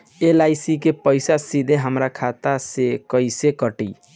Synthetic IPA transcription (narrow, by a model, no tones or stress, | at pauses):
elaɪsikepəɪjsasid̪ʱeɦəmɾakʰat̪asekəɪsekəʈḭ